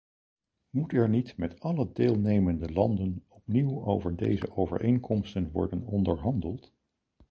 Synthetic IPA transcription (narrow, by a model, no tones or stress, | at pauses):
mutɛɹnitmɛtɑlədeːlˠnejməndəlɑndənɔpniwowvəɹdḛjzə̰ʔowvə̰ɹʔejŋkɔmstənʋɔ̰ɹdənɔndəɹɦɑndəlˠt